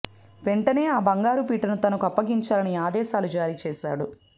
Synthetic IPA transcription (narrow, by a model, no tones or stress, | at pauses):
ʋe̞ɳʈɐne̞ːaːbɐŋɡaːɾup̬iːʈɐnut̪ɐnukɐpːɐɡiɲt͡ʃaːlɐniaːd̪ɛːʃaːlud͡ʒaːɾiːt͡ʃɛːʃa̰ːɽu